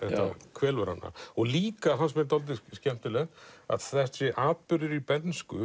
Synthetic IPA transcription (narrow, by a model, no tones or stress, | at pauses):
ɛht̪a̰kʰvɛːlvɛɾha̰nːa̰ɔɣliːkaθɦansmɛnt̪ɔlt̪̬ɪscɛm̥t̪ɪlɛt̪a̰ðθɛht̪sɛʔaːtpʏɾðɪɾipɛt̪nskʏ